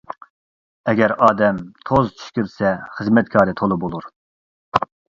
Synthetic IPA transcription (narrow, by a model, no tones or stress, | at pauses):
ɛɡʲɛɾɑːd̪ɛmt̪ʰozt͡ʃʰi̥ʃkʲiɾsɛχəzmɛt̪̚kʰɑːɾɨt̪ʰolˠɨbolˠuɾ